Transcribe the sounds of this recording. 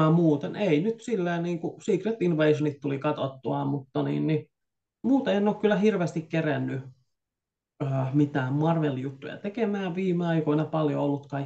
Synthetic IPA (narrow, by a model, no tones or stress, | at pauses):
æmuːt̪eneinyt̪silːeːnniːŋkusiːkret̪inʋeisonit̪t̪ulikɑt̪ot̪ːuɑmut̪ːɑnḭːnni | muːt̪eiænːoːkkylːæhirʋeːst̪ikkerænːy | øːmit̪æːmmɑrʋeljut̪ːujɑ̰t̪ekemæːʋʋiːmeɑikoinɑpɑljoolːut̪kɑi